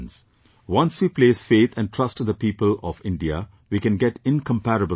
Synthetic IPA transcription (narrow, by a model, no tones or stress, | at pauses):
ns | wʌ̃nsʋiːpleːsfeːt̪ʰæ̃nʈʰɾʌsʈd̪əpiːpəlɔfɪ̃nɖiə̰ | ʋikɛ̃nɡɛʈɪ̃nkʰə̃mpæɾəbə